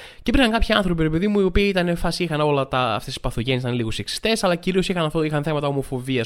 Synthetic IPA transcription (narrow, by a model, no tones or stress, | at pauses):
cepɾixɐŋkɐpçiɐnθɾo̞piɾepeðimuio̞piːit̪ɐnefɐsiixɐno̞lɐt̪ɐ̰ːft̪esi̥spɐθoʝenesit̪ɐnliɣuseksi̥st̪e̞sɐlɐciɾio̞sixɐnɐft̪oixɐnθe̞mɐt̪ɐo̞mo̞fo̞viɐs